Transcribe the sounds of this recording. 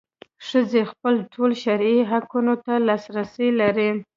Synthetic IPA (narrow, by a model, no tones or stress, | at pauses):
ʂəzexpəlʈʰolʃaɾiɦakunot̪alɑsɾasilaɾi